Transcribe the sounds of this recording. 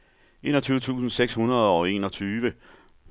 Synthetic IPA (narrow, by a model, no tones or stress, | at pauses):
ʔe̝̰ːnɒ̽t͡sʰyːʊət͡sʰṵːsn̩seɡ̥shunɐð̞ˠɒ̽e̝̰ːnɒ̽t͡sʰyːʋə